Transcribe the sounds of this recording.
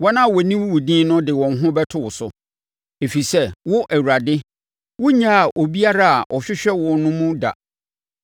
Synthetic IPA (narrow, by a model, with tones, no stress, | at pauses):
wɔ˦nã˦˨wɔ˨nĩ˦wʊ˦wu˨dĩ˦nʊ̃˦dɪ˨wɔ̃˨nɦʊ̃˦bɛ˦tʰʊ˦wʊ˨sʊ˨ | e˨fi˨sɛ˦wʊ˦ʔɛ˨wu˨ɾa˨dɪ˦ | wʊ˦ɲã˦a˨ʔo˨bi˦a˦ɾa˦a˨ʔɔ˨ɕᶣɪ˦ɕᶣɛ˦wɔ˨nʊ̃˦mũ˦da̰˨